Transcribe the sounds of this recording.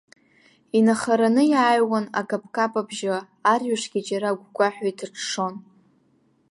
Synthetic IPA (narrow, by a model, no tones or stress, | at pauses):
inaχaɾanɨjaːjwana̰kʼapʼʰkʼapʼabʒa | arɥaʂɡ̥ʲit͡ʃʼaɾaɡʷɡʷaħʷᶣajtʰrʈ͡ʂʰʂo̞n